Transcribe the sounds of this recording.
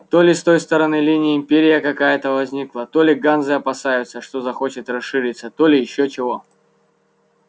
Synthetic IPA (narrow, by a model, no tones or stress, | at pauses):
t̪o̞lʲɪst̪o̞jst̪əɾɐnɨlʲinʲɪjəɪmpʲeɾʲɪjəkɐkajət̪əvɐzʲnʲiklˠət̪o̞lʲɪɡanzɨɐpɐsajʊt̪səʂt̪o̞zɐxo̞t͡ɕɪt̪rɐsʂɨɾʲit̪sːət̪o̞lʲɪjɪɕːot͡ɕɪvo̞